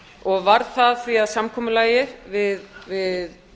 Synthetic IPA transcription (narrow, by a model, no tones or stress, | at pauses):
ɔɣvaɾθaðθviaðsamkʰɔːmʏlaːjɪvɪðvɪð